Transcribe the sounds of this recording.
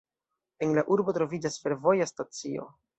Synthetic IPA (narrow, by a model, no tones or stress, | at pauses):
e̞nlaʔuɾbo̞tɾo̞vid͡ʒasfe̞ɾvo̞jastat͡sio̞̰